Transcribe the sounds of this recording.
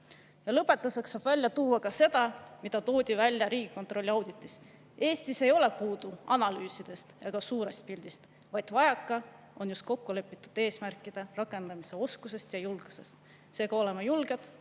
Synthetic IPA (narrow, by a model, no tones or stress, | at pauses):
jɑlɤpˑːe̞t̪ːˑɑsɑksɑb̥vælʲjɑt̪uːɑkɑse̞d̪̥ɑmid̪̥ɑt̪o̞ːd̪̥ʲivælʲːjɑɾiːɡ̥ikːo̞nt̪ˑro̞lʲːiɑwd̪̥it̪ːˑis | e̞ːst̪ise̞jo̞le̞puːd̪uɑnɑlyːsid̪̥e̞st̪jɑɡ̥ɑsuːɾe̞st̪̚pilʲd̪̥ist̪ | vɑjd̪̥vɑjɑkˑːɑ | o̞njust̪̚ko̞kːole̞pːˑit̪ːˑud̪̥e̞ːsmærkːˑid̪̥e̞rɑkːˑe̞nd̪̥ɑmise̞o̞skuse̞st̪jɑjulɡ̥use̞st̪ | se̞ːɡ̥ɑo̞le̞mɑjulɡed̪̥